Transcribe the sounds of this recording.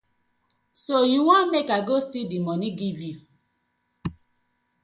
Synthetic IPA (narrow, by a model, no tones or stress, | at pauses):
sojuwɔ̃mekaɡostidimɔniɡivju